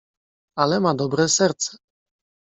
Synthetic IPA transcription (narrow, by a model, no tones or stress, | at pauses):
alɛmad̪ɔbɾɛsɛɾt̪sɛ̥